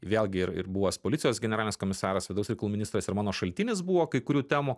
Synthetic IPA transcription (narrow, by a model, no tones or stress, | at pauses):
ʋʲeːlʲˠɡʲɪɪɾɪ̰ɾbuʋoːspoːlʲɪt̪ʲɪjoːsɡʲɛnʲɛɾɑːlʲɪnʲeːskoːmʲɪsɑːɾɐsʋʲɪd̪ɐʊsɾʲɛɪkɐlˠuːmʲɪnʲist̪ɾɐsɪɾmɑːnoːʃɐlʲt̪ʲɪnʲɪsbuːʋoːkɐɪkʊɾʲuːt̪ʲæːmuː